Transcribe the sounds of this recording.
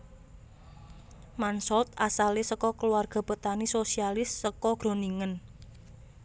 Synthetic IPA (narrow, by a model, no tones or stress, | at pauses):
mansɔlt̪asalesəkɔkəluarɡ̥ɔ̤b̥ə̤t̪anisosialɪsːəkɔɡ̥ɾo̤niŋən